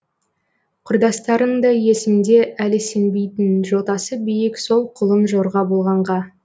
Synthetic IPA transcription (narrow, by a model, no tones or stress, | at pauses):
qʰʊɾd̪ɑst̪ɑɾənd̪ɑje̞sɪmd̪e̞ælɪse̞nbe̞jt̪ɪnʒo̞t̪ɑsəbijɪkso̞lˠqʰʊlˠəmʒo̞ɾʁɑbolˠʁɑɴʁɑ